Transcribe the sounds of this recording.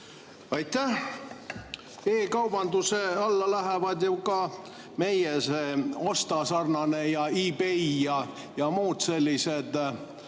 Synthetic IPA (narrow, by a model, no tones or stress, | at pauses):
ɑjt̪ːæh | e̞ːkɑwbɑnd̪use̞ɑlːɑlæɦevɑd̪jukɑ | me̞jjeseo̞st̪ɑsɑrnɑne̞jɑibeijɑ | jɑmuːd̪̥se̞lʲːised̪̥